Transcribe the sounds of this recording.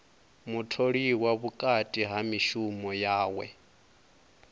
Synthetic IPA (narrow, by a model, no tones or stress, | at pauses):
mutʰoɺiwaβukʼatʼiɦamiʃumɔjaːwɛ̰